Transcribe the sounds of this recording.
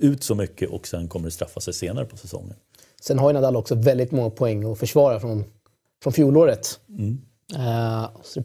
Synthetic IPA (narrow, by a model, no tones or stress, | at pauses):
ʉ̟ːt̪sɔmʏkːəʔɔksɛnːkʰɔmːəɖɛst̪ɾafːasɛjseːnaɾəpʰɔ̥sɛsɔ̰ŋːə̰n | sɛnɦaɾjənad̪alːɔksɔvɛld̪ɪt̪mɔŋːapʰɔɛŋːɔfœʂvɑːɾafɾɔn | fɾɔnfjuːloːɾət̪ː | sɔd̪ɛ